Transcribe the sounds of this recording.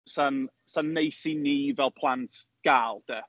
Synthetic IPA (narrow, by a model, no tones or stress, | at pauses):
san | sanːejsiniːvɛlˠpʰlˠantʰ | ɡ̥aːlˠd̥ɛ